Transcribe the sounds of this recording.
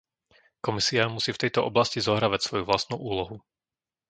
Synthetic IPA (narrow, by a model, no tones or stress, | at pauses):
kɔmisiamusiːft̪ɛjt̪ɔʔɔblascizɔɦɾaːʋacsʋɔjuʋlast̪nuʔuːlɔɦu